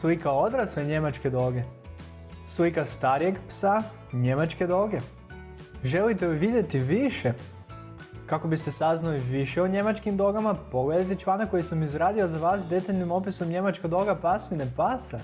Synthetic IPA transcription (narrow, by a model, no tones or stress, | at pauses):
sujkaod̪ɾasleɲe̞mat͡ʃke̞d̪o̞ɡe̞ | sujkast̪aːɾijeɡpsa | ɲe̞mat͡ʃke̞d̪o̞ɡe̞ | ʒe̞lit̪eiʋid̪je̞t̪iʋiʃe | kako̞bist̪e̞saznaliʋiʃeoɲe̞mat͡ʃkimd̪o̞ɡamapo̞ɡle̞d̪ajt̪et͡ʃʋanakːo̞jisamizɾaːd̪iozaʋaːsd̪e̞t̪aʎnimo̞piso̞mɲe̞mat͡ʃkad̪o̞ɡapasminepasa